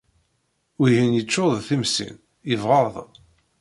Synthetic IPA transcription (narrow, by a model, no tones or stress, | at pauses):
wihinjət͡ʃːoðˤθimsḭn | əvʁɑðˤ